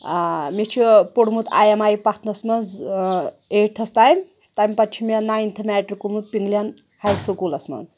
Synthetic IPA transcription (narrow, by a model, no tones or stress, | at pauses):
met͡ʃʰipoɽmut̪ʰa̰jemaːjpɐt̪ʰnɐsmɐnd͡z | eʈt̪ʰɐst̪ajmʲ | t̪ajmʲpɐt͡ʃʰimʲenaint̪ʰɐmʲæːʈrikumut̪̚piŋɡlʲjan | hajsukulɐsmɐ̰nz